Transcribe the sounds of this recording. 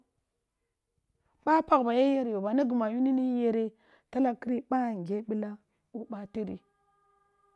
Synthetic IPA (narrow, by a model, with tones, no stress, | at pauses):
ɓa˦pa˨kba˨je˦je˦ɾjo˨ba˨na˦ɡu˨ma˨ju˦ni˦ni˦je˦ɾe˦ | ta˦la˦ki˦ɾi˦ɓa˦˨ŋ˨ɡe˦ɓi˦la˦ | u˦ɓa˦ti˦ɾḭ˨